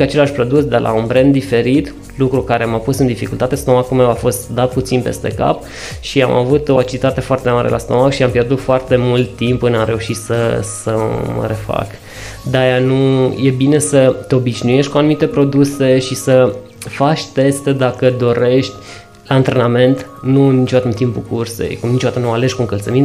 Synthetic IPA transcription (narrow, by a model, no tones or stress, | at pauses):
at͡ʃe̞laʃʲpɾo̞d̪usd̪elʔa̰unbɾend̪ife̞ɾit̪ | lukɾukaɾe̞mapusɨnd̪ifikult̪at̪e̞st̪omakume̞wafo̞st̪d̪at̪̚put̪sinpe̞̰st̪e̞̰ka̰p | ʃia̰mʔa̰vut̪o̞at͡ʃilit̪at̪e̞foart̪emaɾḛlʔa̰st̪omakʃiampje̞rd̪ut̪foart̪e̞mult̪ːimpɨnamɾe̞uʃit̪səsəmə̰ɾe̞fa̰k | d̪ajanuje̞bine̞sət̪eo̞biʃnuje̞ʃt̪ʲkuanumit̪e̞pɾo̞d̪use̞ʃisə | fat͡ʃʲt̪e̞st̪ed̪akəd̪o̞ɾʔe̞ʃt̪ʲ | laɨnt̪ɾe̞name̞nt̪nuɨnit͡ʃod̪at̪ənt̪impukurse̞̰jkunit͡ʃod̪at̪ənuale̞ʒkuɨŋkəlt̪səmin